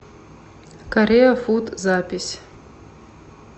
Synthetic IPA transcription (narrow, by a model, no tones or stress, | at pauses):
kɐrʲejafutʰʼzapʲisʲ